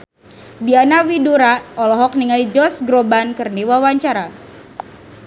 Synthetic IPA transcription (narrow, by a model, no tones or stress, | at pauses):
dianawiduɾaɔlɔɦɔk̚niŋalid͡ʒɔsɡɾobankərniwawaɲt͡ʃaɾa